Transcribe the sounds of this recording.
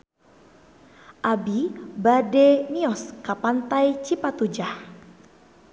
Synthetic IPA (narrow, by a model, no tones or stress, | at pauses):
ʔabibademiɔskapant̪ajt͡ʃipat̪ud͡ʒah